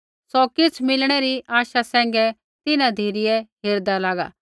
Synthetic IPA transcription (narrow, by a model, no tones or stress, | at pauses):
sɔkɪt͡sʰmɪlɽ̃ɛɾiʔaːʃasɛ̃ːŋ̆ɡɛ | t̪ɪnãd̪ʱiːɾɪjɛɦeːɾd̪alaːɡa̰ː